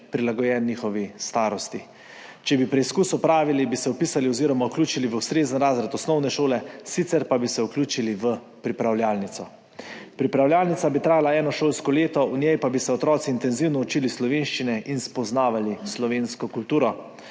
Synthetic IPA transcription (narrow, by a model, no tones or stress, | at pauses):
pɾilaɡɔjɛːnːiːxɔʋist̪aːɾɔst̪i | t͡ʃɛbipɾɛiskuːsɔpɾaːʋilibisɛɔpiːsaliɔziːɾɔmawklʲuːt͡ʃiliʋəwst̪ɾeːzənɾaːzɾat̪ɔsnɔwnɛʃoːlɛsit̪sɛɾpabisɛukluːt͡ʃiliʋə | pɾipɾawljaːlnit̪sɔ | pɾipɾawljaːlnit̪sabit̪ɾaːjalaɛːnɔʃoːlskɔleːt̪ɔunjɛjpabisɛɔt̪ɾɔːt̪siːnt̪ɛnziwnɔut͡ʃiːlislɔʋeːnʃt͡ʃinɛʔinspɔznaːʋalislɔʋeːnskɔkult̪uːɾɔ